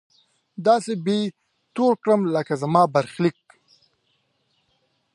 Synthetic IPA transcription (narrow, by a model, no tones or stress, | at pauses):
d̪ɑːsebe | t̪oɽkɽəmləkazamɑːbaɾxlik̚